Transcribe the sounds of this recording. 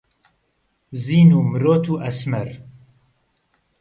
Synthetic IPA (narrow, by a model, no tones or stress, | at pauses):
ziːnuːmɨɾoːt̪ʰuːʔɐsmɛɾ